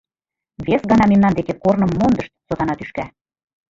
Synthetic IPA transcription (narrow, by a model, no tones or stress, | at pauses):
βesɡɑnɑmemnɑnd̪ekekornɤ̆mːond̪əʃt̪̚sot̪ɑnɑt̪yʃkæ